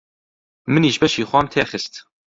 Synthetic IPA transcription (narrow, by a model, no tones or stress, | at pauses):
mɨniːʒbɛʃiːxʷɑːmt̪ʰeːxɨst̪